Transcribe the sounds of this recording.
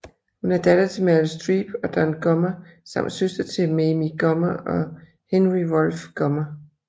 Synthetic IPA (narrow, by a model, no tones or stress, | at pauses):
hunæɐd̥æd̥ɐt͡sʰe̝mælsd̥ʁiːb̥ɒ̽d̥ɒnɡ̥ɒmɐsɑ̈m̰d̥søsd̥ɐt͡sʰe̝memiɡ̥ɒmɐʔɒ̽ | henʁiʋɒlfɡ̥ɒmɐ